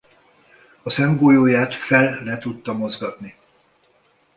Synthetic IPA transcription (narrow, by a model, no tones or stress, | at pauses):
ɒsɛmɡoːjoːjaːt̪fɛlːɛt̪ut̪ːɒmo̞zɡɒt̪ni